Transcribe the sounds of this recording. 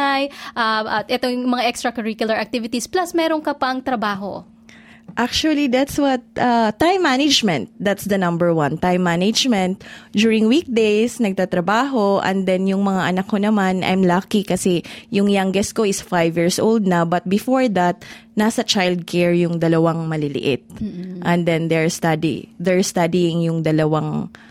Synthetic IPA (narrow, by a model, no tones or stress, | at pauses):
ajʔaʔɐt̪ʔɛt̪ojʊŋmɐŋaʔɛkst̪ɾɐkɐɹikjʊlɐɹɐk̚t̪ivɪt̪isplɐsmɛːɾoŋkɐpɐŋt̪ɾɐbaːɦo̰ | ʔak̚t͡ʃuɐlid̪at̪swɐt̪̚ʔɐt̪ːajmːanɐd͡ʒmɛ̃nt̪̚d̪at̪sd̪ɐnɐ̃mbɛɹwɐ̃nt̪ãjmːanɪd͡ʒmɛ̃nt̪̚d͡ʒuɹɪŋwik̚d̪ejsnɐɡ̚t̪at̪ɾɐbaːɦo̞ʔɛ̰nd̪ɛnjʊŋmɐŋaʔɐnɐkːonɐmanʔɐ̰jmlakikɐsɛjʊŋjaŋɡɛskoɪsfajvjiːɹsʔowld̪̚nɐbɐt̪̚bɪfoɹd̪ɐt̪̚nasɐt͡ʃajld̪̚kɛɹjʊŋd̪ɐlɐwaŋmɐlɪlɪ̰ʔɪ̰t̪̚ʔɛ̃nd̪ɛ̃nd̪ɛɹst̪ad̪ḭd̪ɛɹst̪ad̪iɪŋjʊŋd̪ɐlɐwaŋ